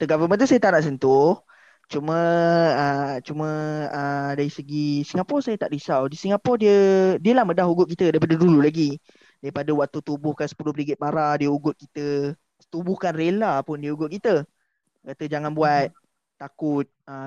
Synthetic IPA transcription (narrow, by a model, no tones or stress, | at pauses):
t̪əɡavəmə̃nt̪̬usajət̪aʔnaʔs̬ənt̪ʊh | t͡ʃumə̃ət͡ʃumə̃ədaɾisəɡisiŋɡapɔsajət̪aʔdisawdisiŋapɔdiədiəlahmədahuɡʊʔ̚kit̪ədaipadədululaɡi | daipadawaʔt̪ut̪ubʊhkansə̥pulʊhbɾiɡɪt̪̚maɾadiəuɡʊt̪̚kit̪ə | t̪ubʊhkanrelapʊndiəuɡʊt̪̚kit̪ə | kat̪əd͡ʒaŋanbuat̪̚ | t̪ːakʊt̪̚ə